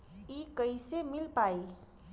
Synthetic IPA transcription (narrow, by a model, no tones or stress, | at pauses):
ikəjsemilpaj